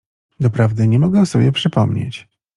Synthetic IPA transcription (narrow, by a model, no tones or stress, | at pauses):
d̪ɔpɾavd̪ɘɲɛmɔɡɛ̃sɔbʲjɛpʂɘpɔmɲḛt͡ɕ